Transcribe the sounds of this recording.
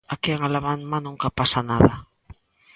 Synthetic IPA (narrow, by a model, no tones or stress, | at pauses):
akeaŋalaβanmanũŋkapasanaða